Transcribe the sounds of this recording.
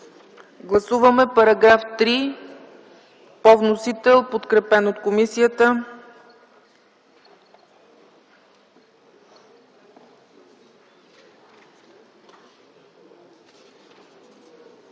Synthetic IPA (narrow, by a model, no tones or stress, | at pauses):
ɡlˠɐsuvəmɛpɐɾɐɡɾaft̪ɾi | pɔvnosit̪ɛlˠpot̪kɾɛpɛnot̪komisijət̪ə